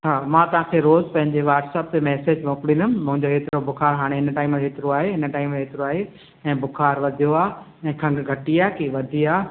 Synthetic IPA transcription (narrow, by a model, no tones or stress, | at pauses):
ɦaːmãt̪ɐʋãːkʰeɾoːzpɐ̃ɦɪ̃ɲd͡ʑeʋaːʈsɛːp̚t̪emɛːseːd͡ʑʋõːkɽĩnd̪ʊmmʊ̃ɦɪ̃ɲd͡ʑoɦeːt̪ɪɾobʊxʰaːɾɦaːɽ̃eɦɪnʈaːɪmɦeːt̪ɪɾoaːɦeɦɪnə̆ʈaːɪmɦeːt̪ɪɾoaːɦe | ɛ̃ːbʊxaːɾʋɐd̪ʱijoaː | ɛ̃ːkʰɐ̃ŋɡɡʱɐʈiaːkiʋɐd̪ʱiaː